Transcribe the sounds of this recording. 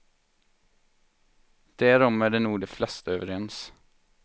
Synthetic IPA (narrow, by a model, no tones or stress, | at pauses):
d̪̥æːɾɔmæːɖeːnuːd̪eːflɛst̪əøːʋəɾɛns